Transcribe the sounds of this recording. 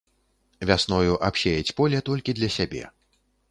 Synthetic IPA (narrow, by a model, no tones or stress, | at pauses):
vʲasnɔjuʔapɕʲejɛt͡sʲpɔlʲɛt̪ɔlʲkʲid̪lʲɐsʲabʲɛ̰